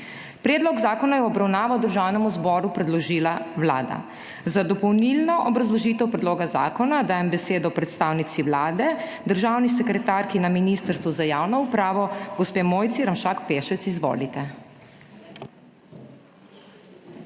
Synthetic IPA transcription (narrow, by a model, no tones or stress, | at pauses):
pɾɛːd̪lɔɡzaːkɔnajɛɔbɾawnaːʋawd̪əɾʒawnɛmuzbɔːɾupɾɛd̪lɔʒiːlawla̰ːd̪a̰ | zad̪ɔpɔwnilnɔʔɔbɾazlɔʒiːt̪ɛwpɾɛd̪loːɡaza̰ːkɔnad̪aːjɛmbɛseːd̪ɔpɾɛt̪st̪aːwnit̪siwlaːd̪ɛd̪əɾʒaːwnis̬ɛkɾɛt̪aɾkinaminist̪əɾst̪ʋɔzajaːwnɔupɾaːʋɔɡɔspeːmoːjt̪siɾamʃaːkpeʃɛt̪sizʋo̰ːlit̪ɛ